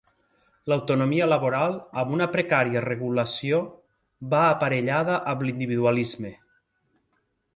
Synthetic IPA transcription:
lawt̪onomiəlaβoɾalˠamunəpɾekaɾiareɣulasijo | baːpaɾeʎaðəʔəmblind̪iβiðualizme

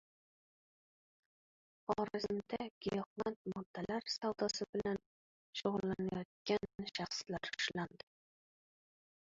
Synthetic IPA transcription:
ɒɾɪzɪmd̪aɡ̥ʲɪjɑqlɑnt̪mɒd̪̥ːalaɾsawd̪ɒsɪbɪlan | ʃoʁʊlˠːanajɒt̪̚kʲanʃɑχslaɾʊ̥ʃland̪ɪ

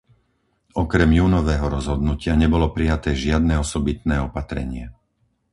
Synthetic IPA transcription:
ɔkɾɛmjuːnɔʋɛːɦɔɾɔzɦɔd̪nucɪaɲɛbɔlɔpɾijat̪ɛːʒɪad̪nɛːɔsɔbit̪nɛːɔpat̪ɾɛ̰ɲɪɛ

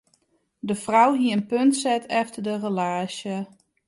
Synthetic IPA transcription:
dəfrawɦiəənpøntsɛtʰɛftədərəlaːsjə

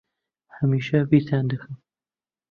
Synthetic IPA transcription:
hɐmiːʃɐbit̪ʰaːnd̪ɨxɨm

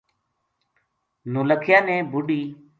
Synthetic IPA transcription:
noːləkʰjãːnɛ̃ːbʊɖiː

